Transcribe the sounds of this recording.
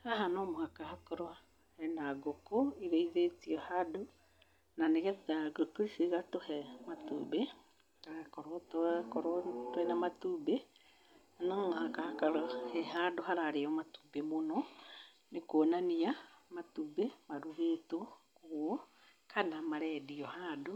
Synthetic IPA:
aɦanɔmohakahakɔɾɔ | hɛnaɡokoiɾeiðetiɔhado | naneɣɛðaɡokoɾisiɣatohɛmatṵbe | kaɾakɔɾɔtkɔɾtwɛnamatube | anaŋakahakaɾɔhɛɦadoɦaɾaɾeɔmatu̥bemonɔ | nekoːnaniamatubemaɾuβetokwɔ | kʰanamaɾɛdiɔhado

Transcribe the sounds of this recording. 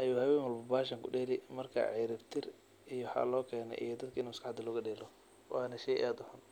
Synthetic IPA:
ʔɐjuːhɐwɛːŋwɐlbʊbaːʃ̬ɐŋkʰʊɗɛːlɪmɐrkʰa̰ʕiɾɪbt̪ʰɪr | ʔijɔħɑ̰ːlɔːkʰɛːnɛ̰ʔḭjɞd̪ɐd̪̚kʰɪnuːmɐskɑħɑd̪ɐlɔːɣɐɗɛːlɔ | wʔɑːnɐʃɛjʔaːd̪ʊhan

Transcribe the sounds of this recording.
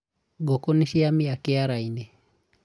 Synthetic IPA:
ɡokoniʃiamiakɛaɾaine

